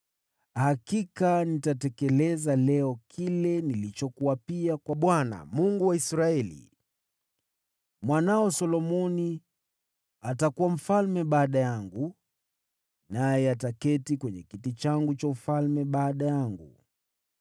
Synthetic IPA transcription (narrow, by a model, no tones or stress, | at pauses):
hakikanitatɛkɛlɛzalɛɔkʰilɛnilit͡ʃɔkuwapiakwaɓwana̰muŋɡuwaisɾaɛlḭ | mwanaɔsɔlɔmɔni | atakuwam̩falmɛɓaːɗajaŋɡu | najɛatakɛtikwɛɲɛkitit͡ʃaŋɡut͡ʃaufalmɛɓaːɗajaŋɡṵ